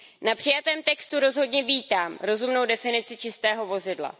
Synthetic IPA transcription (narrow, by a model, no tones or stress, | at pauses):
napr̥ɪjat̪ɛːmt̪ɛkst̪uɾo̞zɦo̞dɲɛviːt̪aːmɾo̞zumno̞wdɛfɪnɪt͡sɪt͡ʃɪst̪ɛːɦo̞vo̞zɪdla̰